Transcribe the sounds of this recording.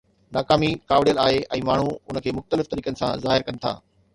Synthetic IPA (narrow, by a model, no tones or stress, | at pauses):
naːkaːmikaːʋɽijəlaːɦeʔɛ̃ːmaːɳ̤uʊnəkʰeːmʊxt̪əlɪft̪ɐɾiːkənɪ̆sã̰zaːɦɪɾkɐnɪ̆t̪ʰa̰ː